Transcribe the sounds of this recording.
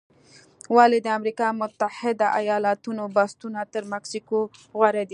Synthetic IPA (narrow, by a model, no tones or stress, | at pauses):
wɑled̪əamɾikɑmʊt̪ːahɪd̪aʔajɑlat̪unobɑst̪unat̪əɾmaksikoɣwaɾed̪i